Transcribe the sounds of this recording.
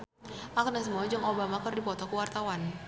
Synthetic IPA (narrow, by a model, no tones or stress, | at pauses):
ʔaknas̬əmuad͡ʒɨŋobamakərdipɔt̪ɔkəwart̪awan